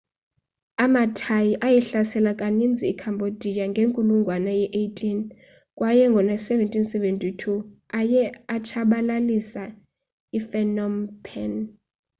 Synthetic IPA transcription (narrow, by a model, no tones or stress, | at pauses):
amatʰajiʔajɛɬasɛlakʼanind͡zʱiːkʰambʱod̥ʱijaŋɡʱeŋkʼuluŋɡʱwanajɛʔejtʼʰin | kʼwajɛŋɡʱɔnasɛvɛntʼinsɛventʼitʰuajɛat͡ʃʰaɓalalisa | ifɛnɔmpʰɛn